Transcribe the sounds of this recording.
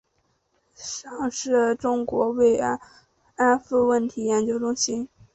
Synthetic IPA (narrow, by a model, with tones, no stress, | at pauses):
ʂɑ˥˩˧ŋʂɻ̩˥˩ʈ͡ʂʊ˥ŋkwɔ˧˥we˥˩ɪ˥ | a˥nfu˥wə˥˩nt̪ʰi˧˥jɛ˧˥nt͡ɕjo˥ʊʈ͡ʂʊ˥ŋɕi˥n